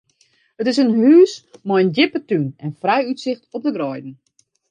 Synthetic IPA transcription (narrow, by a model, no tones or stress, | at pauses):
ətɪs̬ənɦyːsmɔjəndɪpətynɛnfrɛjytsɪxtɔp̚dəɡrɔjdn̩